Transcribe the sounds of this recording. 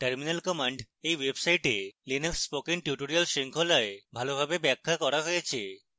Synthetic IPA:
ʈəɾminalkɔmaɳɖ | ejwebsaiʈelinəksːpokiŋʈjuʈoɾialʃiŋkʰolaebʱalobʱabebɛkʰːakɔɾaɦojet͡ɕʰe

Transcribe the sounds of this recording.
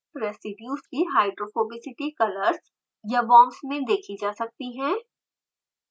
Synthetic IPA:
ɾɛːsɪbjuːskiɦaːɪɖɾoːfoːbɪsɪʈikɐləɾs | jabɔ̃ːmsmẽd̪eːkʰid͡ʒaːsɐk̚t̪iɦɛ̃ː

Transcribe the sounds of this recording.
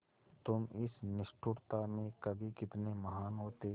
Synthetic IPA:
t̪ʊmɪsnɪʃʈʰʊɾt̪amẽkɐbʱikɪt̪nemɐɦaːnɦoːt̪e

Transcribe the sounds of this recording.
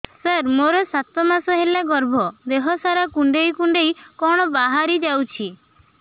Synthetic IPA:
səɾmoɾɔsat̪ɔmasɔɦelaɡɔɾbʱɔd̪eɦɔsaɾakuɳɖejkuɳɖejkɔɽ̃ɔbaɦaɾid͡ʒawt͡ʃʰi

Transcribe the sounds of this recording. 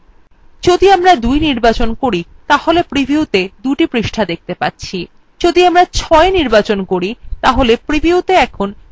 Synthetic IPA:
d͡ʑod̪iamɾad̪ujniɾbat͡ɕonkoɾit̪aholepɾibʱiut̪ed̪uʈipɾiʃʈʰad̪ek̚ʰt̪epatːɕʰi | d͡ʑod̪iamɾat͡ɕʰɔeniɾbat͡ɕonkoɾit̪aɦolepɾibʱiut̪eɛkʰon

